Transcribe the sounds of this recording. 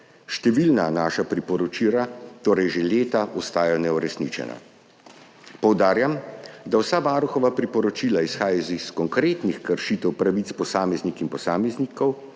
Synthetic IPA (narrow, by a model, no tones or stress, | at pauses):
ʃt̪ɛʋilnanaːʃapɾipɔɾɔt͡ʃiːɾat̪oːɾɛjʒeleːt̪aʔɔst̪aːjanɛuɾɛsniːt͡ʃɛ̰na̰ | pɔwd̪aːɾjamd̪awsaʋaːɾuxɔʋapɾipɔɾɔt͡ʃiːlaisxaːjaziskɔŋkɾeːt̪nixkəɾʃit̪ɛwpɾaʋit̪spɔsaːmɛznikinpɔsaːmɛznikɔw